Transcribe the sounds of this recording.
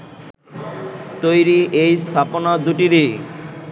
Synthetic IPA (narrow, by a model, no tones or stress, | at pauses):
t̪ojɾiʔejst̪ʰaponad̪uʈiɾi